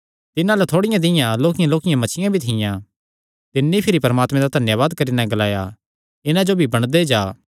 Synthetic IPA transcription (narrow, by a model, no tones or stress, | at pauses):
t̪ɪnãlet̪ʰoːɽɪjãd̪ɪjãloːkɪjãloːkɪjãmɐt͡ʃʰɪjãbʱit̪ʰɪjã | t̪ɪnːipʰɪɾipɐɾəmaːt̪mẽd̪ad̪ʱɐnjəʋaːd̪kɐɾinɛ̃ɡɐlaːja | ɪnãd͡ʒobʱibɐɽ̃d̪ed͡ʒaː